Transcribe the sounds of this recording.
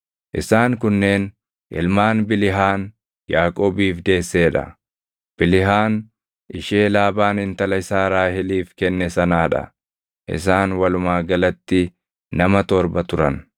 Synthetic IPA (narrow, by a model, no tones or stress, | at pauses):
ʔɪsaːŋkʊnːe̞ːn | ʔɪ̰lmaːnbɪlɪɦaːn | jaːkʼoːbiːfd̪e̞ːsːe̞ːᶑɐ̰ | b̥ɪlɪɦaːn | ʔɪʃe̞ːlaːbaːnɪnt̪ɐlɐɪsaːɾaːhɪliːfkɛnːɛsɐnaːᶑɐ̰ | ʔɪ̰s̬aːnwɐlʊmaːɡɐlɐt̪ːɪ | nɐmɐt̪ɔɾbɐt̪ʊɾɐn